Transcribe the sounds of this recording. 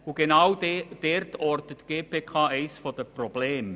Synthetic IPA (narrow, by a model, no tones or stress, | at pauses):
ʊɡenawd̥ertʰɔrtətɡ̥eːpʰeːkʰaːʔɛɪsfɔdəprɔbleːm